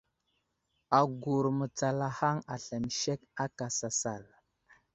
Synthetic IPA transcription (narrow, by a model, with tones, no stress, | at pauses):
a˨ɡu˨ɾmə˨t͡sa˨la˨ha˦ŋa˨ɬa˨m˨ʃe˦ka˦ka˨sa˨sa˨l